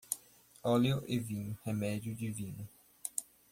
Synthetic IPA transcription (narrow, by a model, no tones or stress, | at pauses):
ɔliʊʔevĩɲʊhemɛd͡ʒʊd͡ʒivĩnʊ